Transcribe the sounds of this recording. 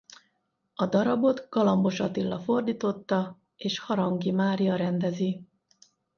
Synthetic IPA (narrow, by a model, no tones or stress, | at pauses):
ɒd̪ɒɾɒbo̞d̪ɡɒlɒmbo̞ʃɒt̪ilːɒfo̞rd̪iːt̪o̞t̪ːɒ | eːʃhɒɾɒŋɡimaːɾijɒɾɛnd̪ɛzi